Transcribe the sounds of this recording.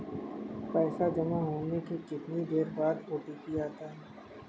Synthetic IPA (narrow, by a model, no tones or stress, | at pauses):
pɛːsad͡ʒɐmaɦoːnekekɪt̪nid̪eːɾbaːd̪oːʈipiaːt̪aɦɛː